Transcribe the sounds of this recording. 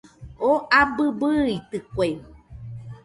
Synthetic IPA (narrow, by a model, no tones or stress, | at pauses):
oʔabɨbɨit̪ɨkʷe